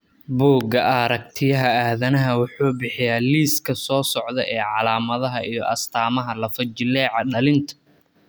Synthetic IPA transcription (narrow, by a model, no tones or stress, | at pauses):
buːɡɐʔɐɾɐk̚t̪ʰɪjɐɦɐaːðɐnɐɦɐwʊħuːbɪħɪjaːliːskʰɐsɔːsɔʕðɛʔɛːʕɑlaːmɐðɐɦɐʔijɞʔɐst̪ʰaːmɐɦɐlɐfɐd͡ʒɪlɛːʕɑɖɐlɪnt̪ʰɐ̥